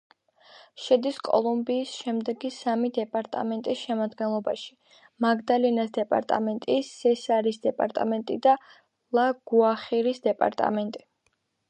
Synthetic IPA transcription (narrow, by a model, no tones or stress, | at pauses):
ʃɛd̪iskʼɔ̰lˠumbiːsʃɛmd̪ɛɡisamid̪ɛpʼaɾt̪ʼa̰mɛnt̪ʼisʃɛmad̪ɡɛnlˠɔbaʃi̥ | maɡd̪alinasd̪ɛpʼa̰ɾt̪ʼa̰mɛnt̪ʼissɛsaɾisd̪ɛpʼa̰ɾt̪ʼa̰mɛnt̪ʼid̪a | lˠaɡ̥uaχiɾisd̪ɛpʼa̰ɾt̪ʼa̰mɛnt̪ʼi